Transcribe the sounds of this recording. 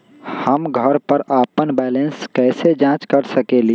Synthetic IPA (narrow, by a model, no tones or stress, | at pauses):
hɐmɡʱɐɾpəɾaːpənbɛːlə̃nskɛːsed͡ʒãːt͡ʃkɐɾsɐkeli